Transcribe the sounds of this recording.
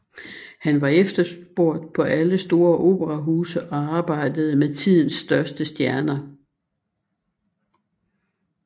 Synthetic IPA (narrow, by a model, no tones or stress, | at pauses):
hænʋɑ̈efd̥ɐsb̥o̝ɐ̰d̥̚pʰɒ̽ʔæləsd̥o̝ːɐʔo̝̰ːb̥əʁɑ̈ɦuːsəʔɒ̽ɑ̈ːb̥ɑ̈ɪ̰d̥əð̞̩ˠmet͡sʰið̞̰ˠn̩sːd̥ɶɐsd̥əsd̥jæɐnɐ